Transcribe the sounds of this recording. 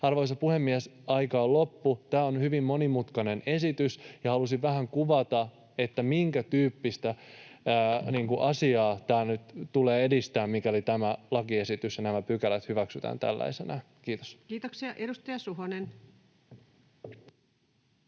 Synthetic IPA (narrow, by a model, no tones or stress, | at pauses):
ɑrʋoisɑpuhe̞mːiesɑjkɑːlo̞pːut̪æːonhyʋimːo̞nimut̪kɑne̞ne̞sit̪ysjɑhɑlusiʋʋæhæŋkuʋɑt̪ɑ | e̞t̪ːæmiŋkæt̪yːpːist̪æ | niːŋkuʔɑsiɑːt̪æːnyt̪t̪uleːe̞dist̪æːmmikæolit̪æmælɑkie̞sit̪ysjɑnæmæpykælæt̪hyʋæksyt̪æ̰ːnt̪æ̰lːæ̰isenækiːt̪oskiːt̪oksiɑʔedust̪ɑjɑsuɦonen